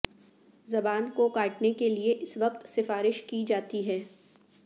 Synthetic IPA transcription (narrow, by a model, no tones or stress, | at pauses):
zɐbaːnkokaːʈnekelieʔɪsʋɐqt̪sɪfaːɾɪʃkid͡ʒaːt̪iɦɛː